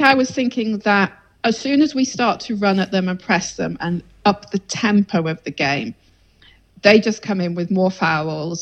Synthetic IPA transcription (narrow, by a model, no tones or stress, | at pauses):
aɪwɒz̥θɪ̃ŋkʰɪ̃ŋðət | əz̥sʉ̃ːnəzwistɑˑtʰəɹʌ̃nəʔðə̃mə̃npʰɹ̥ɛsðə̰̃mə̃n | ʌp̚ðətʰɛ̃mpʰəʊəvðəɡẽɪ̃m | ðeɪd͡ʒʌskʰʌ̃mɪ̃nwɪðmɔːfaʊlˠz̥